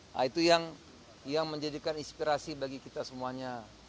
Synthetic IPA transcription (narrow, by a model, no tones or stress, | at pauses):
a̰it̪ujaŋ | jaŋməɲd͡ʒadikaninspiɾasibaɡikit̪asəmuaɲa